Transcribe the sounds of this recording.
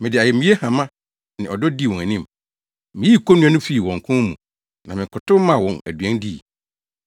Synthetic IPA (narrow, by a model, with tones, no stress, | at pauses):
mɪ̃˨dɪ˨a˨jɛ˨mĩ˦e˦hã˨mã˦ | nɪ̃˨ɔ˨dɔ˦di˦˨wɔ̃˨æ˨nĩ˦m | mɪ̃˨ji˦˨kʰo˦nũ˦ã˦nʊ̃˦fi˦i˨wɔ̃˨ŋ˨kʰʊ̃˦mṵ̃˨ | nã˨mɪ̃˨kʰʊ˨tʊ˦mã˨wɔ̃˨næ̰˨dɥɛ̃˦ndi˦˨